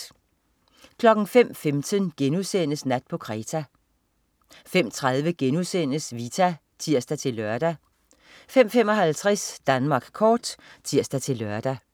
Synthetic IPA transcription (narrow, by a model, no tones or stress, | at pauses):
kʰlɒ̽ɡ̥n̩fem̰femd̥ʰənɡ̥enusen̰əsnæd̥̚pʰɒ̽kʰʁɛːt͡sʰæ | fem̰t͡sʰʁað̞ˠʋəɡ̥enusen̰əsʋit͡sʰæ | t͡sʰiɐ̰sd̥æt͡sʰe̝lːɶɐd̥æ | fem̰fem̰ɒ̽hælt͡sʰʁasd̥ænmɑ̈ːɡ̥kʰɒːd̥t͡sʰiɐ̰sd̥æt͡sʰe̝lːɶɐd̥æ